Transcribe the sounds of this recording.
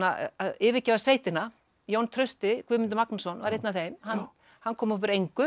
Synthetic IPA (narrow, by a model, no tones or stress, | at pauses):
aaðɪːvɪcavaseːjt̪ɪna | jownt̪ʰɾœɥst̪ɪkʰvʏːmɪnt̪̬ʏmaknasɔnva̰ɾejt̪naθejmhan | hanːkʰɔːmʊpɪɾejŋkʏ